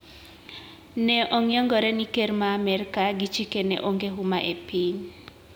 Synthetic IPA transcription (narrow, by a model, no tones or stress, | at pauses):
nɛʔɔŋjɔŋɡɔɾɛnikermaːmɛɾkaɡit͡ʃikenɛ̰ʔoŋɡeɦumaʔepiɲ